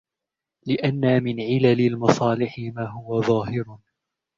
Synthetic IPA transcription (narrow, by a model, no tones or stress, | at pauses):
lɪʔanːamɪnʕɪlalɪlmɑsˤɑːlɪħɪmaːɦʊwaðˤɑːɦɪɾ